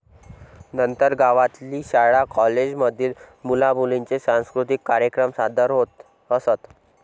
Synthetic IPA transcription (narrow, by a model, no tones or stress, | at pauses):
nənt̪əɾɡaʋat̪liːɕaɭakɔled͡ʑməd̪ʱiːlmulabʱulint͡sesãw̃skɾut̪ikːaɾjəkɾəmsad̪ʱəɾɦot̪ | əsət̪